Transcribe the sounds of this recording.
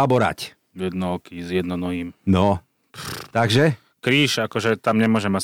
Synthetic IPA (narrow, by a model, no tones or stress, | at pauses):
abɔɾa̰c | jɛd̪nɔɔkizjɛd̪nɔnɔɦiːmnɔ | t̪aɡʒɛ | kɾiːʃakɔʒɛt̪amɲɛmʊɔʒɛma